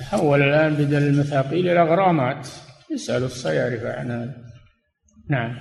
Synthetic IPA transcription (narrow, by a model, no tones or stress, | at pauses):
ħawːalalʔaːnbɪd̪alɪlmaθaːqiːlʔɪlaɣɑɾˤɑːmaːt̪jɪsʔalusˤːɑjaʕɾɪfa̰ʕnaːð | naʕam